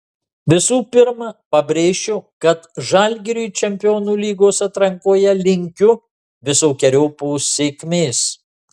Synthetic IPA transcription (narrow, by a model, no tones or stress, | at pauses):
ʋʲɪsuːpʲɪɾmɐpɐbʲɾʲeːʃʲt͡ʃʲokɐt̪ʒɑlʲɡʲɛɾʲuːt͡ʃʲɛmʲpʲɪjoːnuːlʲiːɡoːsɐt̪ɾɐŋkoːjɛlʲɪŋʲkʲʊ | ʋʲɪsoːkʲɛɾʲoːpoʊsʲeːkʲmʲeːs